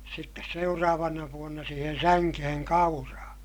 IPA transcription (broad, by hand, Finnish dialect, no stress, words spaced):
sitːes seurɑːʋɑnɑ ʋuonːɑ siːhen sæŋkeheŋ kɑurɑː